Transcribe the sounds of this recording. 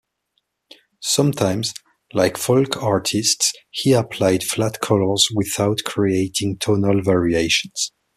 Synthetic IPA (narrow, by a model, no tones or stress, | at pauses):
sʌ̃mtʰãɪ̃mz | laɪkfɔlkʰɑɹtʰɪstshiəpʰl̥aɪd̥flatkʰɔlə˞zwɪðaʊtkʰɹ̥ieɪtʰɪ̃ŋtʰɔnəlˠvɛɹieɪʃə̃nz̥